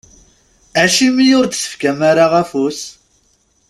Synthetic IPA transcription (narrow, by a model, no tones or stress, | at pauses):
æʃimijʊɾd̪sə̥fkæmaɾaʁæfus